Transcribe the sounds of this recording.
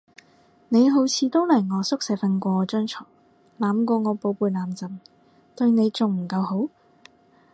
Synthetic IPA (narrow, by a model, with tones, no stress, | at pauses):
ne˨˧jɦo˨˥wt͡sʰiː˧t̪o˥wlɐ˨˩jŋɔː˨˧sʊ˥k̚sɛ˨˥jfɐ˧nkʷɔː˧t͡ʃœː˥ŋt͡ʃʰɔː˨˩ | laː˨˧mkʷɔː˧ŋɔː˨˧po˨˧wpuː˨˧jlaː˨˥mt͡sɐ˨m | t̪ɵ˧ɥne˨˧jt͡sʊ˨ŋm̩˨˩kɐ˧wɦo˨˥w